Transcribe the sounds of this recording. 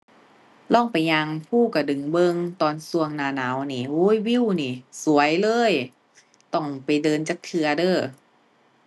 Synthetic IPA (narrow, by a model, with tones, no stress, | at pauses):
lɔ˥˩˨ŋpa˨jɲa˧ŋpʰuː˥˩ka˧˩dɯ˨˩ŋbɤ˧ŋt̪ɔː˧nsu˧əŋnaː˧˩naː˨˦wniː˧˩ʔuː˧˦˥jwi˧˥˨wniː˧˩su˨˦ɐjlɤː˧˥˨j | t̪ɔ˧˩ŋpa˨jdɤː˧nt͡ɕaː˧˦k̚t̪ʰɯ˧ɐdɤː˧˩